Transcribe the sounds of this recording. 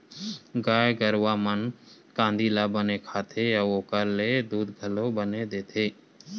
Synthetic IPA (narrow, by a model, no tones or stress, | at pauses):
ɡaːeɡəɾwaːmənkãːnd̪ilaːbənekʰaːt̪ʰejaoːkəɾled̪uːd̪ɡʱəlobəned̪eːt̪ʰeː